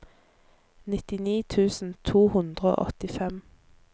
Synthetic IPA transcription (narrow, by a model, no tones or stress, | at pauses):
nɪt̪ɪniːt̪ʰʉːsn̩t̪ʰuːhʉnd̪ʁəo̰ːʔɔ̰t̪ɪfɛm